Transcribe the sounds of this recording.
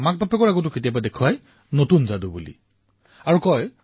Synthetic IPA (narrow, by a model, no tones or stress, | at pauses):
mak̚papɛkɔɹaɡɔt̬ʊketijap̬adekʰuwaj | notunzadubulḭ | aɹukɔj